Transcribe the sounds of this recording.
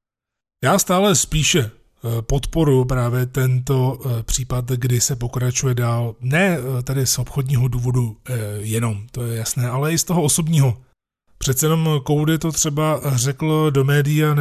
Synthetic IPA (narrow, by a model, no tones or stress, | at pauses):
jaːst̪aːlɛspiːʃɛ | po̞t̪po̞ɾjʊpɾaːvjɛt̪ɛnt̪o̞pr̥iːpat̪ɡdɪsɛpo̞kɾat͡ʃujɛdaːlnɛːt̪ɛdɪso̞pxo̞dɲiːɦo̞duːvo̞dujɛno̞mt̪o̞jɛjasnɛːʔalɛɪst̪oɦo̞ʔoso̞bɲiːɦo̞ | pr̝̥ɛt̪̚t͡sɛjɛno̞mko̞wdɪt̪o̞t̪r̥ɛbar̝ɛkl̩do̞mɛːdɪjan